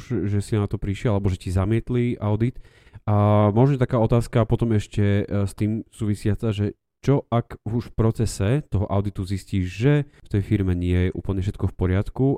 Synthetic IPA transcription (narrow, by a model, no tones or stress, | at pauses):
ʒʒɛsinat̪ɔpɾiʃɪɛlalɛbɔʒɛcizamɪɛt̪liʔaʊd̪it̪ | ʔamɔʒɲɛt̪akaːɔt̪aːskapɔt̪ɔmɛʃcɛst̪iːmsuːʋisɪat͡saʒɛ | t͡ʃɔakuʃfpɾɔt͡sɛsɛt̪ɔɦɔʔaʊd̪it̪uzisciːʒʒɛft̪ɛjfiɾmɛɲɪɛjɛʔṵːpl̩ɲɛfʃ̬ɛt̪kɔfpɔɾɪat̪ku